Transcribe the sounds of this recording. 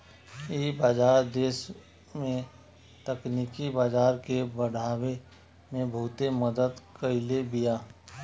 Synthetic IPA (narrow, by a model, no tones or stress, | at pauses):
eːbaːd͡ʒaːɾd̪eːʃ | mẽ | t̪əkniːkibaːd͡ʒaːɾkebəɽ̤aːwe | mẽbʱuːt̪eməd̪əd̪kəɪlebijaː